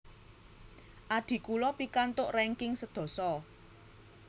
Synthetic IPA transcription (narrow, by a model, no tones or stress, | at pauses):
ʔad̪̥i̤kulɔpikant̪ʊʔrɛŋkɪŋsəd̪̥ɔ̤sɔ